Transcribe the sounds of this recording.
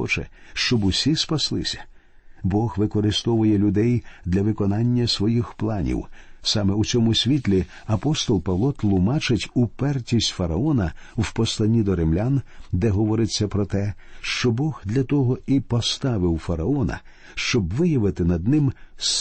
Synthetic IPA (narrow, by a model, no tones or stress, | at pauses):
ɔ̰t͡ʃɛ̰ʃt͡ʃɔbʊsʲispɐslˠɪ̰sʲɐ̥ | bɔɣʋɪkɔɾɪst̪ɔʋʊjɛlʲʊd̪ɛjd̪lʲɐʋɪkɔnɑnʲːɐsʋɔjixplˠɑnʲḭwsɑmɛut͡sʲɔmʊsʲʋʲit̪ʲlʲi | ɐpɔst̪ɔlˠpɐʋlˠɔt̪lˠʊmɑt͡ʃɪtʲupɛrtʲisʲtʲfɐɾɐɔnɐwpɔslˠɐnʲid̪ɔɾɪmlʲand̪ɛɦɔʋɔɾɪt͡sʲːɐpɾɔt̪ɛʃt͡ʃɔbɔɣd̪lʲɐt̪ɔɦɔipɔst̪ɑʋɪwfɐɾɐɔnɐ̰ | ʃt͡ʃɔbʋɪjɐʋɪt̪ɪnɐd̪̚nɪms